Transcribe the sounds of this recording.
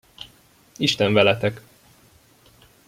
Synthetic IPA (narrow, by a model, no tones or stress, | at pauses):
iʃt̪ɛɱvɛlɛt̪ɛk